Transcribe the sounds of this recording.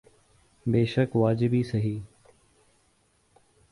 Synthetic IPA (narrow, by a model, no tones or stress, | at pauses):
beːʃəkʋaːd͡ʒɪbisɐɦiː